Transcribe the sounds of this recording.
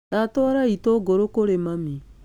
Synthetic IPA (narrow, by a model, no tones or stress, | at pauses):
ɾatɔɾaitoɡoɾokoɾemami